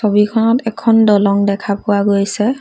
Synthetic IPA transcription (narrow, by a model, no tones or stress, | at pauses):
sobikʰɔnɔtɛkʰɔndɔlɔŋdɛkʰapʊwaɡojsɛ